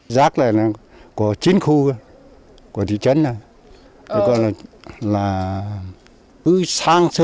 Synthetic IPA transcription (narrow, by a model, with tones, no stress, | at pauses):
zaː˦˥k̚la̰ː˧˨laː˨˩ | kɔ˨˧˩t͡ɕi˨˦nxu˧ | kɔ˨˧˩t̪ʰḭ˧˨t͡ɕə˨˦˥na˧˩ | kɔ˧˩kɔ̰˧˨jlaː˨˩laː˨˩ | kɨ˨˦saː˧ŋsɨ˧